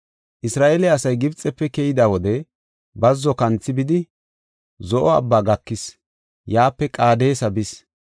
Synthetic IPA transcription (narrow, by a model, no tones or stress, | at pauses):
ʔɪsɾaːʔeːlɛɐsɐjɡɪbt͡sʼɛpːɛkɛjɪd̪awɔd̪ɛ | bɐzːɔkɐnt͡sːɪbɪd̪ɪ | zɔʔɔɐ̰bːaːɡɐkːɪs | jaːpːɛkʼaːd̪e̞ːsɐbɪs